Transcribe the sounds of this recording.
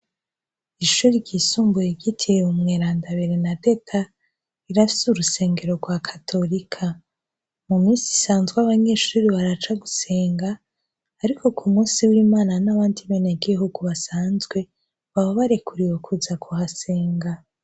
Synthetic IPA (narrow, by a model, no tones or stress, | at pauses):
iʃuɾiɾɟisuːmbujeɟitʰijeumŋeːɾaːndaβeɾenade̞tʰa | iɾafi̥suɾuse̞ːŋɡe̞ɾo̞ɡwakʰḁtʰo̞ɾikʰa | mumiːnsi̥saːnzɡwaβaɲeʃuɾiβaɾat͡ʃaɡuse̞ːŋɡaː | ɾikʰo̞kʰumuːsiwiːmaːnanaβaːndiβeneɡiɦuɡuβasaːnzɡwe̞ | βaβaβaɾe̞kʰuɾiwo̞kʰuzakʰuhase̞ːŋɡa